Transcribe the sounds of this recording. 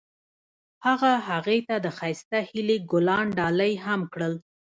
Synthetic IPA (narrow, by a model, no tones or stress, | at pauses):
haɣaɦaɣet̪ad̪əxajst̪ahɪleɡʊlɑɳɖɑləjɦamkɽəl